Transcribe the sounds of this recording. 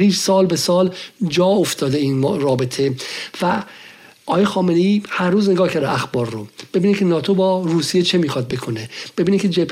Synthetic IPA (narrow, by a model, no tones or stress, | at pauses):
ɾiːɾsɒːlbesɒːld͡ʒɒːoft̪ʰɒːd̪eiːnrɒːbet̪ʰevæ | ʔɒːjexɒːmenejiːhæɾːuːzne̞ɡɒːhcʰæɾd̪eæxbɒːɾːob̥e̞binicʰenɒːt̪ʰobɒːruːsijet͡ʃʰemiːxɒd̪̚be̞kʰoneb̥e̞binicʰed͡ʒepʰ